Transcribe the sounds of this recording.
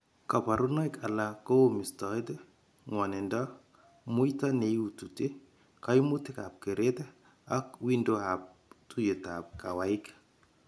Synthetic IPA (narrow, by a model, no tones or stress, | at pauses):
kapaɾunajkalakomistɔet̪e | ŋwanenda | mujtaneutute | kajmut̪ːeka̰p̚keɾet̪e | akwindohap̚ | tujetap̚kawaik